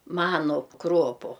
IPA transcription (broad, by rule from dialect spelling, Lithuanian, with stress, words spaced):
ˈmɑːnʊ ˈkroːpʊ